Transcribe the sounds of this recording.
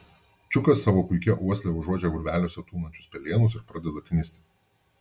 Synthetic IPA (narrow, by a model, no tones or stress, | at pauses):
t͡ʃʲʊkɐsːɑːʋoːpʊɪkʲɛʔuɔsʲlʲɛʊʒuɔd͡ʒʲɛɡʊɾʲʋʲæːlʲoːsʲɛt̪uːnɐnʲt͡ʃʲʊspʲɛlʲeːnʊs̬ɪɾpɾɑd̪ʲɛd̪ɐkʲnʲɪsʲt̪ʲɪ